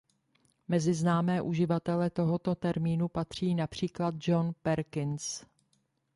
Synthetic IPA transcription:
mɛzɪznaːmɛːʔuʒɪvat̪ɛlɛt̪o̞ɦot̪o̞t̪ɛɾmiːnupat̪r̝̥iːnapr̝̥iːklad̪̚d͡ʒonpɛɾkɪns

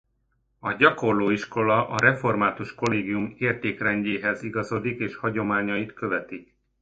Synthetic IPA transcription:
ɒɟɒko̞rloːiʃko̞lɒʔɒɾɛfo̞rmaːt̪uʃko̞leːɡijumeːrt̪eːkrɛɲɟeːɦɛziɡɒzod̪ikeːʃhɒɟo̞maːɲɒjit̪kø̞vɛt̪ik

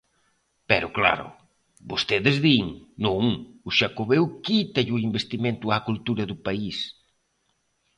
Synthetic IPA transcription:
pɛɾʊkla̰ɾʊ̰ | bost̪eðɪzðiŋnũŋʊʃakoβewkit̪ɐʎʊimbest̪imẽnt̪ʊakult̪uɾɐðʊpais

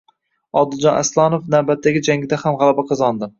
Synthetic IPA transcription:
ɒd̪ɪlˠd͡ʒɒnʔa̰slˠɒnofnawbat̪ʰːaɡʲɪd͡ʒaŋʲɪd̪ahamʁalˠabaqʰɨzɒnd̪ɪ

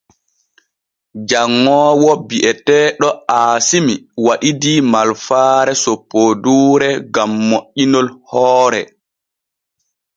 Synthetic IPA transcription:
d͡ʒaŋːɔːwɔbiʔɛtɛːɗɔaːsimiwaɗidimalfaːɾɛsopːoduːɾɛɡamːoʔːinɔlhɔːɾɛ̰

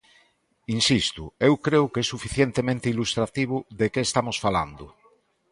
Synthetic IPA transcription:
insist̪uewkɾeʊkesːufiθjent̪emẽnt̪eilust̪ɾat̪iβ̞ʊðekeːst̪amosfala̰nd̪ʊ

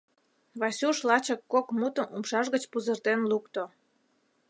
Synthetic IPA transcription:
βɑsʲuʃlɑt͡ɕəkːokmut̪əmumʃɑʒɣət͡ɕpuzərt̪enlukt̪o

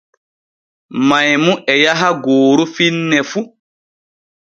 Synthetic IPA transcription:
majmuʔɛjaɦaɡoːɾufinːɛfu

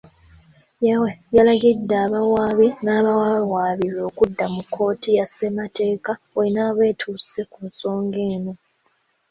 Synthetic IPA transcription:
jawejalaɡidːaːβawaːβinaːβawawaːβiɾo̞ːkudːamukʰːo̞ːtijase̞mate̞ːka | olinaːβe̞ːtʰuːse̞kunso̞ːŋɡeːnu

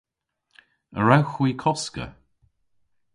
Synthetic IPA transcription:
ə̰ɹawxwiːkʰɔskə̰

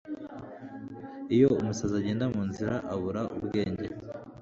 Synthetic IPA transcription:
ijo̞umusazaɟe̞ːndamuːnziɾaʔaβuɾaʔubɡe̞ːɲɟe

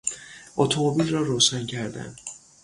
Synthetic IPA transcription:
ʔot̪ʰomobilrɒːɾoːʃæncʰæɾd̪æ̰n

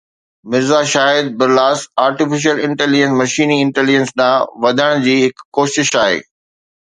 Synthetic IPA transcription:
mɪzaʃaːɦɪd̪̚bɪɾlaːsaːɾʈɪfɪʃ̬iəlɪ̃ɳʈɛːlɪd͡ʑə̃nsmɐʃiːniɪ̃ɳʈeːlɪd͡ʑə̃nsɗãːʋɐd̪ʱəɽ̃d͡ʑiːɦɪkːoːʃɪʃaːɦḛː

